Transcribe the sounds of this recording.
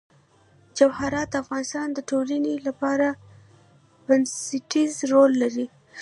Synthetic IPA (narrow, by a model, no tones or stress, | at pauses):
d͡ʒawhaɾɑt̪̚d̪afɣɑnɪst̪ɑnd̪əʈolanelapɑɾa | bansɪʈizɾolːaɾi